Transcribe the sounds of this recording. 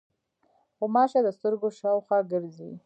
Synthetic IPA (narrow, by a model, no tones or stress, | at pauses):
xomɑʃed̪əst̪əɾɡoʃɑwxwɑɡəɾzḭ